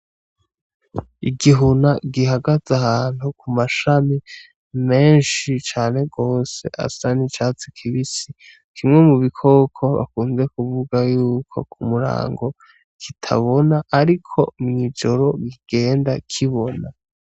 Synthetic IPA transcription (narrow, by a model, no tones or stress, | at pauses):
iɡiɦunaɡiɦaɡazahaːn̥hukʰumaʃami | me̞ːnʃit͡ʃaːne̞ɡo̞ːse̞̰ʔa̰sanit͡ʃaːt͡sikʰiβisi | kʰimŋe̞muβikʰo̞ːkʰo̞βa̰kuːnze̞kuvuɡajuːkʰo̞̰kʰumuɾa̰ːŋɡo̞ | kʰitʰa̰βo̞naʔːɾikʰo̞̰mŋid͡ʒo̞ɾo̞ɡiɡ̥e̞ːndakʰiβona